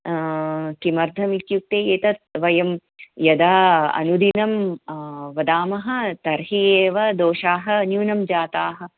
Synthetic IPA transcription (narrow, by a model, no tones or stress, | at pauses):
kimɐɾd̪ʱɐmit̪juk̚t̪eːjeːt̪ɐt̪̚ʋɐjɐm | jɐd̪aːɐ̰nud̪inɐm | ʋɐd̪aːmɐɦɐ̆t̪ɐɾɦieːʋɐd̪oːʃaːɦɐ̆njuːnɐmd͡ʒaːt̪aːɦɐ̆